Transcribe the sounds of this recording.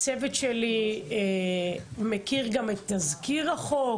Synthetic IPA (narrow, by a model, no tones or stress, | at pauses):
t͡sevet̪ʃeli | mekiʁɡamet̪ːazkiʁaχo̞